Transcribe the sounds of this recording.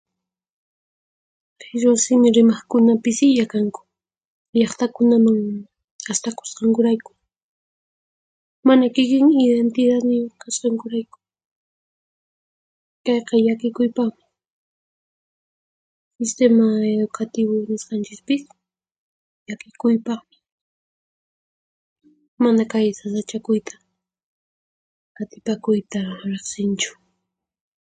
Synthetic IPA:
kaʃ̬wasɪmɪɾɪmɑχkʊnapɪsɪjakaŋkʊ̥ | ʎɑχt̪akʊnamaŋ | ast̪ako̥sqɑŋkʊɾajkʊ̥ | manakɪkɪŋɪðent̪ɪðat̪mɪkasqɑŋkʊɾajkʊ̥ | kɑjqɑjakɪkʊjpaχmɪɪ | sɪst̪emaeðʊkat̪ɪβʊnɪsqɑnt͡ʃɪkpɪs | jakɪkʊjpɑχmɪ | manakajsasat͡ʃakʊjt̪ʰḁ | at̪ɪpakʊjt̪aɾeχsɪnt͡ʃʊ̥

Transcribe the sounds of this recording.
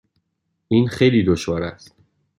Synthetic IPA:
ʔiːnxejliːd̪oʃvɒːɾæ̰st̪

